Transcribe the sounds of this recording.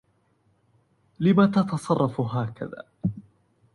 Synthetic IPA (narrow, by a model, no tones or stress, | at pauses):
lɪmat̪ɑt̪ɑsˤɑrˤːɑfɦaːka̰ða̰ː